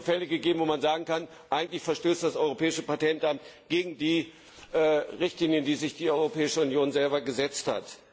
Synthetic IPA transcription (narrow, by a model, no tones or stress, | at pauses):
fɛləɡəɡeːbm̩voːmanzaːɡŋ̩kan | ʔaɪɡŋ̩tlɪçfɛɐʃtøːstd̥asʔɔʏʁopʰɛːɪʃəpatʰɛntʔamtɡ̥eːɡŋ̩diː | ʔːʁɪçtliːnjəndiːzɪçd̥iːʔɔʏʁopɛːɪʃəʊnjoːnzɛlbɐɡəzɛt͡stha̰t